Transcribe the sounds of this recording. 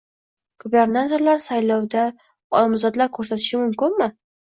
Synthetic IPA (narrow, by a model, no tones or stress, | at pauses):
ɡ̥ube̞ɾnat̪ʰo̞ɾlaɾsajlɒwd̪a | ɒlɒmzɒd̪laɾkʰɵɾsat̪ʰɪʃɪmʊmkʲɪnmɪ